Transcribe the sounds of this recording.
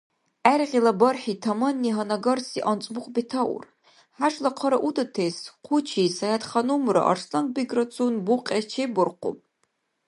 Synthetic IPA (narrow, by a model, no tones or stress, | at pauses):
arʁʲilɐbɐrħitʰɐmɐnːiɦɐnɐɡɐrsiʔɐnt͡sʼbʊqʷʼbitʰɐʔʊ̰r | ħaʂʼlɐqʰɐɾɐʔudɐtʰesqʷʰʊt͡ʃʰiːsɐjatχɐnumɾɐ̰ʔɐ̰rʂlɐn̚biɡrɐt͡sʰʼunbuqʲʼet͡ʃʰebʊrqʷʊ̰pʼ